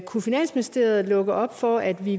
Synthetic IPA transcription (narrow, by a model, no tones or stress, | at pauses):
kʰufinæn̰sminisd̥e̝̰ːɐð̩ˠlɔ̽ɡ̥ɐɒ̽b̥fɒæd̥ʋi